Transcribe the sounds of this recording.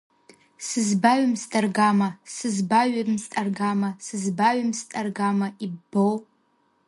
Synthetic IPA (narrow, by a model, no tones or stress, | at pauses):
sɨzbaɥamstʼarɡamasɨzbaɥamstʼarɡamasɨzbaɥamstʼarɡamaibbow